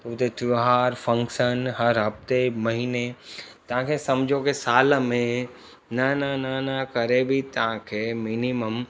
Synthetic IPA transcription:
t̪ʊt̪et̪ʰioɦaːɾfɐ̃ŋkʃənɦɐɾɦɐft̪emɐɦiːnet̪ɐʋ̤ãkʰesɐmd͡ʒʱokesaːlmẽ | nɐnɐnɐnɐkɐɾebʱit̪ɐʋ̤ãkʰeːminiməm

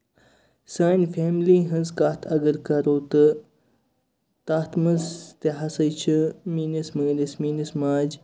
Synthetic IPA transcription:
saːnfeːmliːɦɐ̃nzkaːt̪ʰɐɡəɾkɐɾoːt̪ɨ | t̪aːt̪mɐzt̪eɦɐsɐt͡ʃʰɨmiːnɨsmɨːnismiːnɨsmaːd͡ʒ

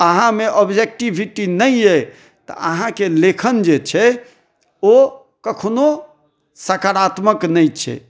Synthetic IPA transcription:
əɦãmeʔɔbd͡ʒek̚ʈibʱiʈinəje | t̪ə̰ʔə̰ɦãkelekʰənd͡ʒet͡ʃʰɛ | o | kəkʰno | səkaɾat̪məknɛjt͡ʃʰɛ̰

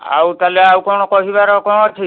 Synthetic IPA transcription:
a̰wt̪aleawkɔɽ̃ɔkɔɦiβaɾɔkɔ̃ɔt͡ʃʰi

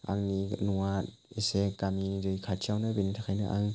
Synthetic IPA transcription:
a̰ŋninuat̚ | esekamidɯjkʰatʰiawnabenitʰakʰajnɯʔa̰ŋ

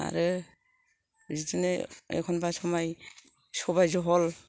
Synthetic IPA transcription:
a̰ɹɯ | zitinɛɛ̰kʰɔnbasɔmaj | sɔbajzɔɦɔl

